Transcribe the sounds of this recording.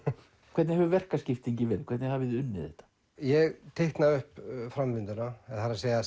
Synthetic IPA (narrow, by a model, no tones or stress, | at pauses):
kʰvɛɾt̪nɪhɛvʏvɛr̥kascɪft̪iɲcɪvɛːɾkʰvɛɾt̪nhavɪðʏnːɪðɛ̰ht̪ːḁ | jɛɣt̪ʰejht̪naʏhpfɾamvɪnt̪ʏnaɛðhaɾaseːja